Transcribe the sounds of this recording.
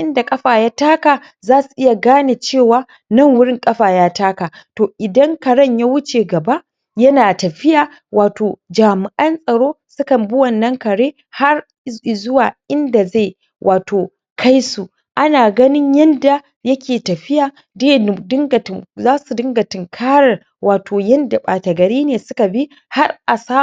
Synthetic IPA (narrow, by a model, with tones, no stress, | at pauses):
ʔɪ˦nda˨kʼɐ˦ɸaː˨jaː˦taː˦kaː˨ | zaː˦su˨ʔɪ˦ja˨ɡaː˦neː˨t͡ʃeː˦˨waː˨ | nɐ˦˨ŋwʊ˦ɽɪ˦ŋkʼɐ˦ɸaː˨jaː˦taː˦kaː˨toː˨ʔɪ˨dɐ˦ŋkɐ˨ɽɐ˦˨ɲja˦wʊ˦t͡ʃeː˨ɡɐ˨ba˦ʔ | jɐ˦naː˨tɐ˨ɸɪ˦jaː˨ | waː˨toː˨d͡ʒaː˨mɪ˨ʔɐ˦nsʼɐ˨ɽoː˦sʊ˦kɐ˨mbʊ˦wɐ˨nːɐ˦ŋkɐ˨ɽeː˦ | ha˦r | zʊ˦waː˨ʔɪ˦nda˨za˦˨j | wʔaː˨toː˨ | kʰa˦jsu˨ | ʔa˦naː˨ɡɐ˦nɪ˦ɲjɐ˦nda˨ | jɐ˦kʲeː˨tɐ˨ɸɪ˦jaː˨ | de˦dɪ˦ŋɡɐ˨tzaː˦su˨dɪ˦ŋɡɐ˨tɪ˨ŋkʰaː˦ɽɐ˨ | waː˨tʰoː˨jɐ˦nda˨ɓaː˨tɐ˨ɡɐ˨ɾiː˦neː˨sʊ˦ka˨bi˦ | ha˦rʔa˨saː˦